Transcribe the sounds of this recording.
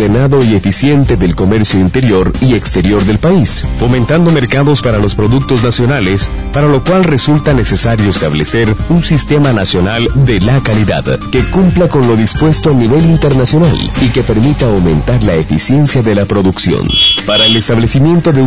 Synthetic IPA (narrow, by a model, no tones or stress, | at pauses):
enaðo̞ie̞fisje̞nt̪e̞ðelko̞me̞ɾsjoint̪e̞ɾjo̞ɾiekst̪e̞ɾjo̞ɾðe̞lpaisfo̞mẽ̞nt̪and̪o̞me̞ɾkaðo̞spaɾalo̞spɾo̞ðuk̚t̪o̞znasjo̞nales | paɾalo̞kwalre̞sult̪ane̞se̞saɾjo̞est̪aβleseɾunsist̪e̞manasjo̞nald̪e̞lakaliða̰ðke̞kumplako̞nlo̞ðispwe̞st̪oalniβe̞lint̪e̞ɾnasjo̞na̰like̞pe̞ɾmit̪aawmẽ̞̰nt̪aɾlaefḭsje̞nsjaðe̞lapɾo̞ðuksjo̰npaɾaelest̪aβle̞simjẽ̞nt̪o̞ðe